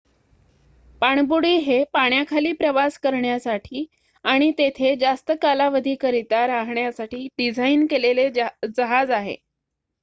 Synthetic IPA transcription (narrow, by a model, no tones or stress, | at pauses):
paɳ̃buɽiːɦepaɳjakʰaliːpɾəʋaskəɾɳjasaʈʰiː | aɽ̃it̪et̪ʰed͡zast̪əkalaʋəd̪ʱiːkəɾit̪aɾaɦɳjasaʈiːɖid͡zʱainkeleled͡zəɦad͡zaɦḛ